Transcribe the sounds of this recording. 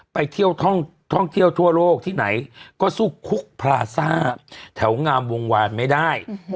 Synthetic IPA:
pa˧jt̪ʰi˥˩əwt̪ʰɔ˥˩ŋt̪ʰɔ˥˩ŋt̪ʰi˥˩əwt̪ʰu˥˩ɐloː˥˩k̚t̪ʰiː˥˩na̰˩˦jkɔː˥˩su˥˩kʰːu˦˥˩k̚pʰɾaː˧saː˥˩t̪ʰɛ˩˦wŋaː˧mwo˧ŋwaː˧nma˥˩jda˥˩j

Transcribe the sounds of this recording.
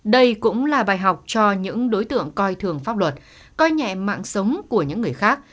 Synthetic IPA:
ɗə˧jkʊ̰˧˥ŋ͡mlaː˨˩ɓaː˨˩jɦa˨˩wk͡p̚t͡ɕɔ˧ɲɨ̰˧˥ŋɗo˨˦jt̪ɨ̰˧˨əŋkɔ˧jt̪ʰɨ˨˩əŋfaː˦˥p̚lwə˨˩t̚ | kɔ˧jɲɛ̰˧˨ma̰ː˧˨ŋsə˨˦wŋ͡mku˧˩əɲɨ̰˧˥ŋːɨ˨˩əjxaː˦˥k̚

